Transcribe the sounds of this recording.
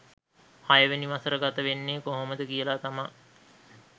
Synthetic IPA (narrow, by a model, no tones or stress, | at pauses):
hajəʋeniʋasəɾəɡat̪əʋenːeːkoɦoməd̪əkijəlaːt̪ama